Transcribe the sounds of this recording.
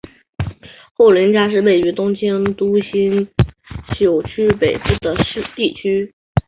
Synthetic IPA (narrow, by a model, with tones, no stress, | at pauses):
xo˥˩ʊli˧˥nt͡ɕja˥ʂ̬ɻ̩˥˧we˥˩ɪy˧˥t̪ʊ˥ŋt͡ɕʰɛ˥nt̪u˥ɕi˥n | ɕjo˨˩ʊt͡ɕʰy˥pe˨˩ɪpu˥˩d̪ə˩ʂɻ̩˥˧t̪i˥˩t͡ɕʰy˥